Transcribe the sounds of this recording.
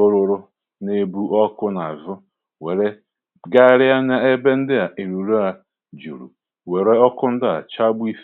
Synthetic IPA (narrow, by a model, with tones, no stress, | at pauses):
o˦ɾʊ˨ɾʊ˦ | ne˦bu˦ʔɔ˦kʊ˦na˨a˨zʊ˦ | we˨ɾe˦ | ɡa˦ɾɪ˦a˦na˨e˦be˦n̩˦dɪ˦a˨ʔi˨ɾu˨ɾu˦a˨ | d͡ʒṵ˨ɾṵ˨ | we˨ɾe˦ɔ˦kʊ˦n̩˦dɪ˦a̰˨t͡ʃa˦bʊ˦i˦f